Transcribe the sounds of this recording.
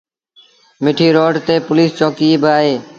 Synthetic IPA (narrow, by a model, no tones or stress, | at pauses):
mɪʈʰiːɾoːɖt̪eːpʊliːst͡ʃõːkiːeːbaːɦeː